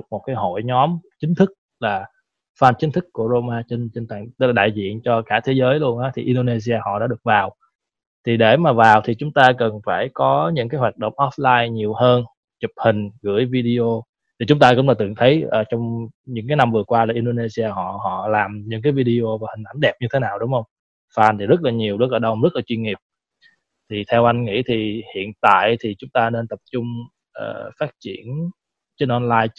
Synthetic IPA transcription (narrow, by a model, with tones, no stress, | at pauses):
k̚mo˨˩t̚kaː˨˦jɦo̰˧˨jɲɔ˨˦mt͡ɕï˨˦ŋ̟t̪ʰɨ˦˥k̚ | laː˨˩ | faː˧nt͡ɕï˨˦ŋ̟t̪ʰɨ˦˥kːu˧˩əzo˧maː˧t͡ɕə˧nt͡ɕe˧nt̪a̰ː˨˩ŋ˦˥laː˨˩ɗa̰ː˧˨jzḭ˧˨ənt͡ɕɔ˧kaː˧˩t̪ʰe˨˦zəː˨˦jlu˧ənʔaː˨˦t̪ʰi˨˩ʔi˧nɗo˧ne˧s̬i˧aː˧hɔ̰˧˨ɗaː˧˥ɗɨ˨˩ək̚vaː˨˩w | t̪ʰi˨˩ɗe˧˩maː˨˩vaː˨˩wt̪ʰi˨˩t͡ɕʊ˨˦ŋ͡mt̪aː˧kə˨˩nfaː˧˩jkɔ˨˦ɲɨ̰˧˥kaː˨˦jɦwaː˨˩t̚ɗə̰˧˨wŋ͡mʔɔ˦˥p̚laː˧jɲi˨˩əwhəː˧n | t͡ɕʊ˨˩p̚hï˨˩ŋ̟ɣɨ̰˧˩əjvi˧ɗi˧ʔo˧ | t̪ʰi˨˩t͡ɕʊ˨˦ŋ͡mt̪aː˧kʊ̰˧˥ŋ͡mlaː˨˩t̪ɨ˨˩ŋt̪ʰə˨˦jʔəː˨˩t͡ɕɔ˧wŋ͡mɲɨ̰˧˥ŋkaː˨˦jna˧mvɨ˨˩əkwaː˧laː˨˩ʔi˧nɗo˧ne˧si˧aː˧ɦɔ̰˧˨ɦɔ̰˧˨laː˨˩mɲɨ̰˧˥kaː˨˦jvi˧ɗi˧ʔo˧vaː˨˩hï˨˩ŋ̟ʔa˧˩nɗɛ˨˩p̚ɲɨ˧t̪ʰe˨˦naː˨˩wɗʊ˨˦ŋ͡mhə˧wŋ͡m | faː˧˩nt̪i˨˩zə˦˥t̚laː˨˩ɲi˨˩əwɗɨ˦˥t̚ləː˧˩ɗə˧wzə˦˥t̚laː˨˩t͡ɕwi˧nŋi˨˩əp̚ | t̪ʰi˨˩t̪ʰɛ˧wʔa˧jŋ̟ŋḭ˧˥t̪ʰi˨˩hḭ˧˨ənt̪a̰ː˧˨jt̪ʰi˨˩t͡ɕʊ˨˦ŋ͡mt̪aː˧ne˧nt̪ə˨˩p̚t͡ɕʊ˧ŋ͡m | ʔə̰ː˨˩faː˦˥t̚t͡ɕḭ˧˩ən | t͡ɕe˧nʔɔ˧nlaː˧j